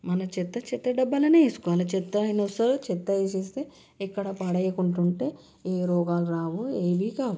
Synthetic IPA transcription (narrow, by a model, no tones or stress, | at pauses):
mɐnɐt͡ʃit̪ːɐt͡ʃit̪ːɐɖɐbːɐlɐneesu̥kʋɐlɐt͡ʃɛt̪ːɐjnɐsɐɾut͡ʃɛt̪ːɐeːs̬eːst̪eː | ɛkːɐɽɐpaːɽɐjɐkuɳʈ̬uɳʈeː | eːɾɔːɡaːlɾaːʋoeːʋiːkaːʋu